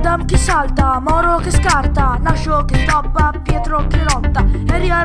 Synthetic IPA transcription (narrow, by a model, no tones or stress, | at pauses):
d̪amkisalt̪amɔɾokiskaɾt̪anaʃokɪst̪ɔbːapjɛt̪ɾokilɔt̪ːaɛɾia